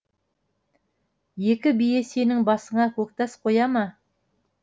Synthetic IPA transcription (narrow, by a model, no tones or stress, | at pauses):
je̞kʲɪbije̞se̞nɪŋbɑsəɴɑkʰɵk̚t̪ɑsqʰo̞jɑmɑ